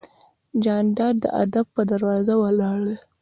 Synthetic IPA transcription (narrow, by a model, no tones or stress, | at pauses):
d͡ʒɑnɖɑɾd̪ə̰ʔa̰d̪ab̚pəd̪aɾwɑzawəlɑɽə